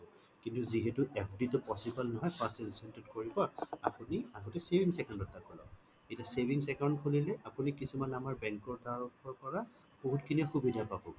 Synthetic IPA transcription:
kintuziɦɛtuʔepʰditʊpɔsibɔlnɔɦɔjpasɛnsɛntɛdkoɹibɔapuniaɡɔtɛsevʱiŋsɛkandɔtːakɔlɔ̰ | etasevʱiŋsɛkaw̃ntkʰolilɛʔapunikisumanamaɹbɛŋkɔɹtaɹɔkʰːɔɹkɔɹa | b̥oɦutkʰiniɔxubidapabɔ

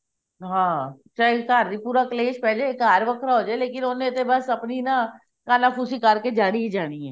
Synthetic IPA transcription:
ɦãːt͡ʃaːikaːɾd̪ipuːɾakleːʃpɛːd͡ʒaːekaːɾʋəkʰɾaɦoːd͡ʒaːeleːkɪnoːnẽt̪ebɐsɐpnina | kaːnapʰuːsikəɾked͡ʒaːɽiid͡ʒaːniɦɛː

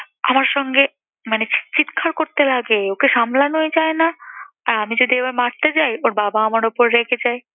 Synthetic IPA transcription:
amaɾʃɔŋɡe | manet͡ɕt͡ɕit̪kʰaɾkoɾt̪elaɡeokeʃamlanoed͡ʑaena | aɾamid͡ʑod̪ʱiebabmaʈ̚t̪et͡ɕajoɾbabaamaɾopoɾːekʰet͡ɕaj

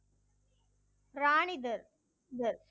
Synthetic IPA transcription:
pɾaːɳɪd̪ɐɾ | d̪ɐɾ

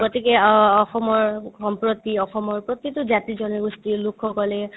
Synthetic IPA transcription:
ɡɔtikɛɔxɔmɔɹɔmpɹɔt̪iɔxɔmɔɹpɹɔt̪itʊzatizɔniɡustilukʰːɔkɔlɛ

